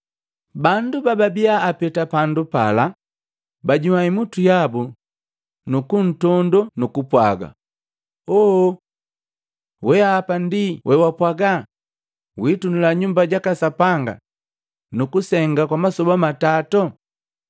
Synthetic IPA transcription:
bandubababiaːpɛtapandupa̰la | baɟumaimutujabu | nukun̩tɔndɔnukupwaɡa̰ | ɔ | wɛaːpandiwʔɛwapwaɡa | witunulaɲumbaɟakasapaŋɡa̰ | nukusɛŋɡakwamasɔbamatatɔ

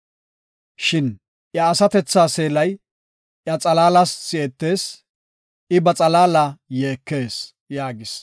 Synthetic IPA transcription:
ʃɪn | ʔjɐːsɐt̪ɛt͡sːaːse̞ːlɐj | ʔjɐt͡sʼɐlaːlɐsːɪɛt̪ːe̞ːs | ʔɪbɐt͡sʼɐlaːlajeːkːe̞ːs | jaːɡɪs

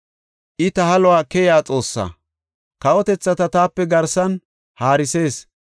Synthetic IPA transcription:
ʔɪt̪ɐhɐlɔwaːkɛjaːt͡sʼo̞ːsːa̰ | kɐɔt̪ɛt͡sːɐt̪ɐt̪aːpːɛɡɐɾsɐn | haːɾɪse̞ːs

